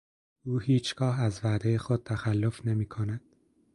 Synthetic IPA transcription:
uːhiːt͡ʃʰɡ̥ɒːɦæzvæːd̪ejexod̪̥̚t̪ʰæxælːofne̞miːkʰonæd̪̥

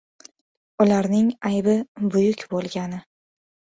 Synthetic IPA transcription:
ʊlaɾnɪŋajbɪbʊjʊkʲbolˠɡʲanɪ

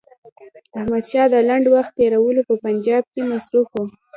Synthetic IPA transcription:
ahmad̪ʃɑd̪əlaɳɖwaxt̪ːeɾawəlopəpand͡ʒɑb̚kemasɾufwu

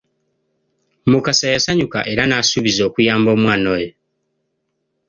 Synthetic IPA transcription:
mukasajasaɲuka̰ʔe̞ɾanaːsuβizo̞ːkujaːmbo̞ːmwaːno̞ːjo

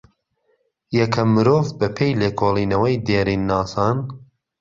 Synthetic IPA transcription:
jɐkʰɐmːɨɾoːvbɐpʰejleːkʰoːlˠiːnɐwɐjd̪eːɾiːnːaːsɑːn

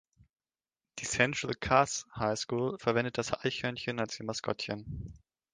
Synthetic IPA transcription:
d̥iːsɛntʁ̥əlkʰashaɪskuːlfɛɐvɛndət̚d̥asha̰ɪçœɐnçənalsjimaskʰɔ̰tçən

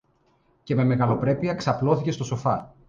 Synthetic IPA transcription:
ce̞me̞me̞ɣɐlo̞pɾe̞piɐksɐplo̞θice̞st̪o̞so̞fɐ

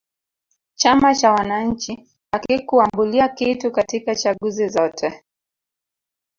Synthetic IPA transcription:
t͡ʃamat͡ʃawanaɲ̩t͡ʃi | akikuambuliakitukatikat͡ʃaɠuzizɔtʰɛ

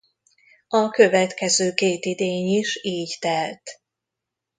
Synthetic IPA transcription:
ɒkø̞vɛt̪kɛzøːkeːt̪id̪eːɲiʃiːɟt̪ɛlt̪

